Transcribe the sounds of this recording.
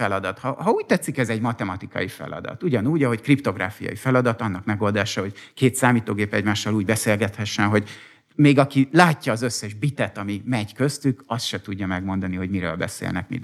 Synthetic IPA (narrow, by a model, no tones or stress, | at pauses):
ɛlɒd̪ɒt̪hɒhɒuːc̚t̪ɛt̪sikɛzɛɟmɒt̪ɛmɒt̪ikɒ̰jifɛ̰lɒ̰d̪ɒ̰t̪uɟɒnuːɟɒɦo̞ckript̪o̞ɡra̰ːfijɒ̰jifɛlɒd̪ɒt̪ɒnːɒkmɛɡo̞ːld̪aːʃɒɦo̞ɟkeːt̪saːmiːt̪oːɡeːpɛɟmaːʃːɒluːɟbɛseːlɡɛt̪hɛʃːɛnɦo̞ɟ | meːɡɒkilaːcːɒːzøsːɛʒbit̪ɛt̪ɒmimɛɟkøst̪ykɒst̪ʃɛt̪uɟːɒmɛɡmo̞nd̪ɒniɦo̞ɟmiɾøːlbɛ̰sḛːlnɛ̰kmḭ